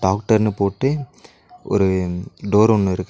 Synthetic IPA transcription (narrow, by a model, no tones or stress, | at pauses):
ɖaːk̚ʈɐɾnɯpoːʈːɯ | ʔɔ̰ɾɯɖoːɾɔnːɯɪɾɯkː